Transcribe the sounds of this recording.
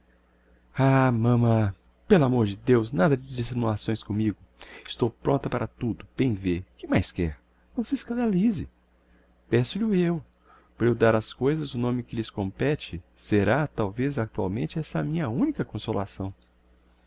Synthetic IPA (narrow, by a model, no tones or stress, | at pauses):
amɐ̃mɐ̃ | pelamoɾd͡ʒɪd̪ewznad̪ɐd͡ʒɪd͡ʒisinulasõj̃skõmiɡʊɪst̪owpɾõnt̪ɐpaɾɐt̪ud̪ʊb̥ẽj̃vekɪmajskɛ̰ɾ | nɐ̃w̃sɪeskɐ̃nd̪alizɪ̰ | pɛ̃sʊlɪʊew | pɾewd̪aɾɐskojzɐzʊnõmɪkɪlɪskõpɛt͡ʃɪseɾat̪awvezak̚t̪uawmẽnt͡ʃɪɛsɐmĩɲɐũnikɐkõsola̰sɐ̃w̃